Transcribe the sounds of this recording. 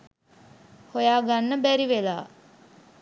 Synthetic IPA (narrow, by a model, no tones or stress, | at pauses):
hojaːɡanːəbæɾiʋela̰ː